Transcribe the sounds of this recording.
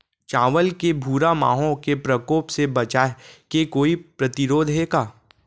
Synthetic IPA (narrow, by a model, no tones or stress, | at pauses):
t͡ʃaːʋəlkebʱuːɾama̰ːɦõkepɾɐkoːpsebɐt͡ʃaːkekoːipɾɐt̪ɪɾoːd̪ʱɦeːɡaː